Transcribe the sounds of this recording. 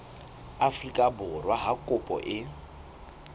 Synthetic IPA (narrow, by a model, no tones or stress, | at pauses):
afrikʼabʊrwaɦakʼʊpʼɔ̰ʔɪ